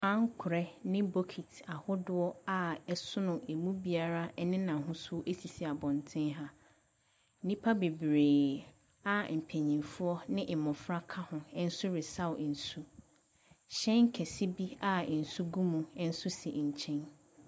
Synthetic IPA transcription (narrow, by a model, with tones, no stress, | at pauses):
ã˦ŋ˦kʰʊ˨ɾɛ˦nɪ̃˦bo˦kʰi˨tʰa˨hʊ˦dʊ˦ɔ˦a˨ɛ˦sʊ˦nʊ̃˨e˨mũ˦bi˨˦a˦ɾa˦ɛ˦nɪ̃˦nã˨ɦʊ̃˦sʊ˦o˦ʔe˦si˨si˨a˨bɔ̃˨ntʰɪ̃˦nɦa˦ | nĩ˦pʰa˦be˨bɾeː˨ | a˨m̩˨pʰɛ̃˨ɲĩ˨nfʊ˦ɔ˦nɪ̃˦ʔɪ˨mʊ̃˨fɾa˦kʰa˦hʊ̃˨ɛ˦n̩˦sʊ˦ɾɪ˨sa˦wn̩˨su˦ | ɕɛ̃˦ŋ̩˦kʰɛ˨si˦bi˦a˦˨n̩˨su˦ɡũ˦mũ˨ɛ˦n̩˦sʊ˦si˨ɲ̩˨t͡ɕʰɛ̃˦n